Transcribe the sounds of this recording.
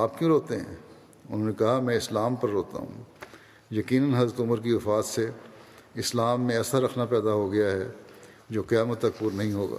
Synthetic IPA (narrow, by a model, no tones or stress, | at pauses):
aːpkjũːɾoːt̪eɦɛ̰̃ː | ʊ̰nɦõːnekɐɦamɛ̃ːɪslaːmpɐɾːoːt̪a̰ɦṵ̃ː | jɐkiːnənɦɐzɾət̪ʊməɾk̬iʋɐfaːd̪se | ɪslaːmːẽɛːsaɾɐkʰnapɛːd̪aɦoɡɐjaɦɛ̰ | d͡ʒoːqɪjaːmət̪ːɐk̚puːɾnɐɦĩɦoːɡa̰ː